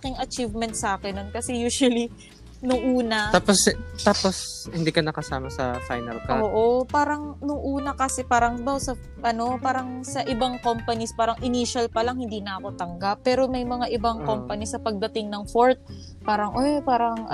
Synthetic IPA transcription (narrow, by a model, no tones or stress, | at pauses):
ɐkiŋɐt͡ʃivmɛnt̪̚saːkɛnːonkɐsɛjuːswɐli | nʊŋʔuːnɐt̪aːpost̪aːposhɪnd̪iːkɐnɐkɐsaːmɐsɐ̰fajnɐlkɐʔoːʔopaːɾɐŋnʊŋʔuːnɐkɐsɛpaːɾɐŋbawsɐ | ʔɐno̞paːɾɐŋsɐʔɪbaŋkompɐnispaːɾɐŋʔɪniʃɐlpɐlaŋhɪnd̪iːnɐʔɐko̞t̪ɐŋɡapːɛːɾo̞mɐjmɐŋaʔɪbaŋko̞mpɐnisɐpɐɡ̚d̪ɐt̪ɪŋnɐŋfoɹt̪̚ | paːɾɐŋʔojpaːɾɐŋ